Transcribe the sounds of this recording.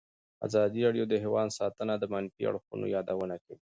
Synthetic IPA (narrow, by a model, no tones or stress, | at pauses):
a̰zɑd̪iɾɑɽjod̪əɦewɑnsɑt̪ənad̪əmɑnfḭa̰ɽxṵno̰jɑd̪awənakawi